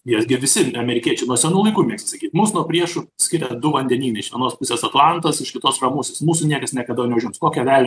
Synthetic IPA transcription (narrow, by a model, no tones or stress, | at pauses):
jiɛsɡʲɪʋʲɪsʲɪɐmʲɛɾʲɪkʲiɛt͡ʃʲɛɪnuɔsʲɛnuːlˠɐɪkuːmʲiɛksʲt̪ʲɪsɐkʲiːt̪muːsnuɔpʲɾʲiɛʃʊsʲkʲɪɾʲɛd̪ʊʋɐnʲd̪ʲɛnʲiːnɐɪʃʋʲiɛnoːspʊsʲeːsɐt̪lˠɐnt̪ɐsɪʃkʲɪt̪oːsrɐmʊsʲesmuːsʊnʲiɛkɐsnʲɛkɐd̪ɐnʲɛʊʒʲɪmskoːkʲɛʋʲæːlʲɪ